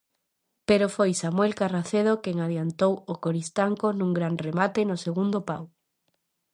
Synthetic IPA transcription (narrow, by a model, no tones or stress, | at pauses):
peɾofojsamwelkaraθeð̞okeŋaðjant̪owokoɾist̪aŋkonũŋɡɾanremat̪enoseɣund̪opa̰w